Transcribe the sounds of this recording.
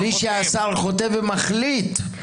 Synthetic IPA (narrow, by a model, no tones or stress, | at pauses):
liʃeasaʁχo̞t̪evemaχlit̪